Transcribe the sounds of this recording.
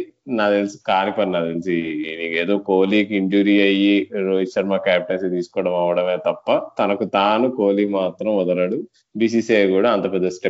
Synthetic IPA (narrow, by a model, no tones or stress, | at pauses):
naːd̪elsi̥kaːnipɐɾnaːd̪els̬iniːkeːd̪o̞ːkoːliːkiiɲd͡ʒuːɾiːɐjiɾoːd͡ʒit͡ʃɐɾmaːkaːpiʈɐnsit̪iːsu̥kɔːɽɐmɐʋɐɽɐmeːt̪ɐpːɐt̪ɐnɐkut̪aːnukoːliːmaːt̪ɾɐmɔd̪ɐɾɐɽu | biːs̬iːseːɡuːɽaːnt̪ɐɾpɐd̪esʈe